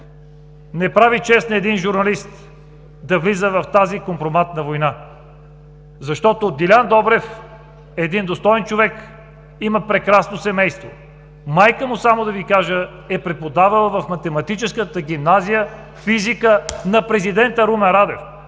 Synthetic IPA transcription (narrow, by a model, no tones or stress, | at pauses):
nɛpɾavit͡ʃɛsnɛd̪inʒuɾnɐlist̪ | d̪ɐvlizəvɐft̪azikompɾomat̪nɐvojna | zɐʃt̪ɔt̪od̪ilʲand̪ɔbɾɛf | ɛːd̪ind̪ost̪ɔɛnt͡ʃovɛk | iməpɾɛkɾasnosɛmɛjst̪vo̰ | majkəmʊsamod̪ɐvikaʒə | ɛpɾɛpod̪avəlˠəvɐfmɐt̪ɛmɐt̪it͡ʃɛskət̪əɡʲimnazijə | fizikənɐpɾɛzid̪ɛnt̪əɾumɛnɾad̪ɛf